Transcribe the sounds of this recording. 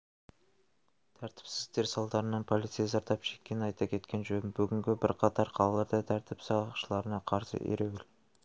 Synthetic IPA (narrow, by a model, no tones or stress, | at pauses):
t̪ʰæɾt̪ɪ̥psɪ̥zd̪e̞ɾsɑlˠd̪ɑɾənɑnpʰo̞lˠijt̪sijɑzɑɾt̪ɑpʃe̞̥kʲːe̞nɪnɑjt̪ɑkʲʰe̞t̪kʲe̞nʒønbʏɡʲɪŋɡʲɪbɪɾqʰɑt̪ɑɾqʰɑlˠɑlˠɑɾd̪ɑt̪ʰæɾt̪ɪpsɑʃəlˠɑɾənɑqʰɑɾsə̰ʔḛɾewɪl